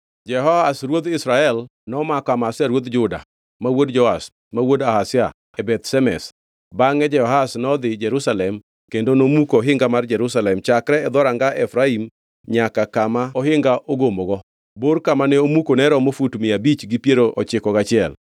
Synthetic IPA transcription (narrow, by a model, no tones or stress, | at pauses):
d͡ʒɛɦɔhasɾwod̪ɪsɾaɛlnɔmakamasɪaɾwod̪d͡ʒʊda̰ | mawodd͡ʒɔas | mawodahasja | ɛbɛt̪sɛmɛ̰s | baŋɛd͡ʒɛɔɦasnɔd̪ɪd͡ʒɛɾusalɛm | kendonomukoɔɦɪŋɡamard͡ʒɛɾusalɛmt͡ʃakɾɛɛd̪ɔɾaŋɡaʔɛfɾaim | ɲakakamaɔɦɪŋɡaʔoɡomoɡɔ | boɾkamanɛomukonɛɾɔmofutmɪabit͡ʃɡipjeɾoʔɔt͡ʃɪkɔɡat͡ʃɪɛl